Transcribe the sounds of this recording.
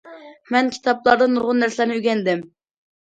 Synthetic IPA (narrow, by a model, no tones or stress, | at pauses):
mɛnkʲʰi̥t̪ʰɑplˠɑɾd̪ɑnːuɾʁʊnːæɾsɪlæɾnɪyɡʲɛnd̪ɪm